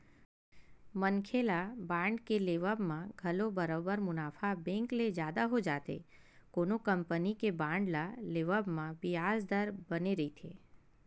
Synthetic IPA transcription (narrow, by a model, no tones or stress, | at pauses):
mənkʰelabãːɳɖkeleʋəbmãɡʱəlobəɾobəɾmʊnaːfʰabɛ̃ŋkled͡ʒjaːd̪aɦod͡ʒaːt̪ḛ | koːnokəmpənikebãːɳɖlaleʋəbmãbɪjaːzd̪əɾbəneɾəit̪ʰḛ